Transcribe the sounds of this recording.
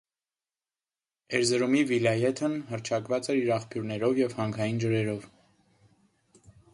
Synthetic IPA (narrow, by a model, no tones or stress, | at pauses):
ɛɾzəɾumivilɑjɛt̪ʰənɦərt͡ʃʰɑkvɑt͡sɛɾiɾɑχpʰjuɾnɛɾɔvjɛvhɑŋkʰɑjind͡ʒəɾɛɾɔv